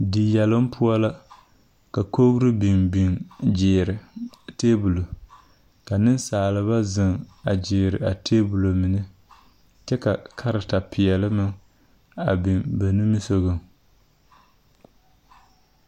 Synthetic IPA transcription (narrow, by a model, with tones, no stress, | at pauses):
di˨jɛ˨lɨ˦m˦pʰʊ˦a˦la˦ | ka˨koː˦ɡɨ˦ɾɨ˦bi˨mbi˨ŋd͡ʒɪː˨ɾɪ˨teː˦bu˨lo˨ | ka˨nɨ˦nsaː˨lɨ˨βa˦zɨ˨ŋa˨d͡ʒɪː˨ɾɪ˨a˨tʰeː˦bu˨lo˨mi˨nɨ˦ | t͡ʃɛ˦ka˨kʰa˦ɾɪ˨ta˨pɪ˨ɛ˨lɨ˦mɨ˦ŋ | a˨bi˨mba˨nu˦mi˦so˦ɣɨ˨ŋ